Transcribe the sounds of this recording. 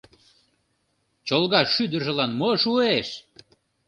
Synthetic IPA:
t͡ɕolɣɑʃːyd̪ə̆rʒə̆lɑnmoʃueʃ

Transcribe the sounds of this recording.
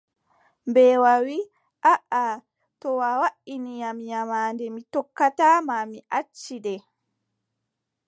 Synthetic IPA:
bɛwawi | ʔaʔa | tɔwawaʔinijamjamaːndɛmitɔkːataːmamiʔat͡ʃːiɗɛ

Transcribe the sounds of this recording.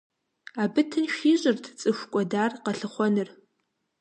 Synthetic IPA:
abɨtʰɨnʃᶣiɕʼɪrtʰt͡sʼɨʃʷkʷʼɔdaːrqɐɬɨχʷɔnɨr

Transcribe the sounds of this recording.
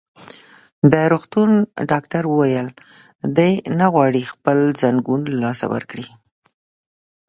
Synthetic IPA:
d̪əɾoɣt̪unɖɑkʈaɾwəwajəld̪əjnaɣwɑɽixpəlzaŋɡunlɑsa̰wə̰ɾkɽi

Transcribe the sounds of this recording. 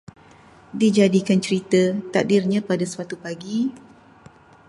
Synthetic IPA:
did͡ʒadikant͡ʃəɾit̪ət̪ak̚dirɲãpadasəwat̪upaɡi

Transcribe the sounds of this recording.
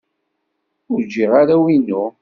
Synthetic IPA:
ʊɾd͡ʒiʁaɾawinu

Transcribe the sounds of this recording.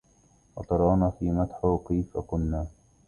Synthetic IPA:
wɑt̪ˤɑɾˤɑːnaːfiːmat̪ħʊkajfakʊnːaː

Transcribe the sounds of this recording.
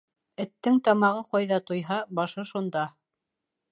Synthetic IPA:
ɘ̆t̪ːɘŋt̪ɑmɑʁɤqɑjðɑt̪ŏjɦɑbɑʃɤʃund̪ɑ

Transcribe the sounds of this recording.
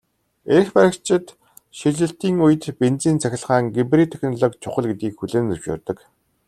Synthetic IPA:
expæɾə̆kt͡ɕʰɪ̆t̪ | ʃiɮɘ̆ɬt̪iːŋujɘ̆t̪pent͡siːnt͡sʰæxʲɪ̆ɮχaːŋɡipriːt̪ʰexnɔɮɔkt͡ɕʰʊχə̆ɮɡet̪ɡiːkxuɮeːnt͡sɵwʃʊ̰ːrt̪ɞ̆k

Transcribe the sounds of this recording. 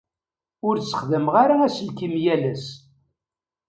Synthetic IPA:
ʊɾt͡sːə̥χðəmʁaɾaæsəlkimjælæs

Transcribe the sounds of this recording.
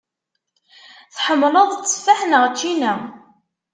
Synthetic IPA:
θħəmːləðˤt͡sːə̥fːaħnəʁt͡ʃːinæ

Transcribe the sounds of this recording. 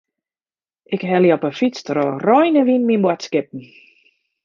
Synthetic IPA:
ʔɪkɦɛlˠjɔpəfit͡strorɔjnəʋinminbwatskɪp̚n̩

